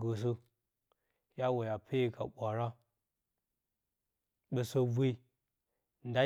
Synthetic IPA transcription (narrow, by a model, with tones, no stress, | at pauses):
ɡə˨s̬ə˦ | ja˦wo˨ja˨pʰe˦ji˦˨ka̰˨ɓʷa˨ɾa˦ | ɓə˨so˦vi˦i˦ | nda˦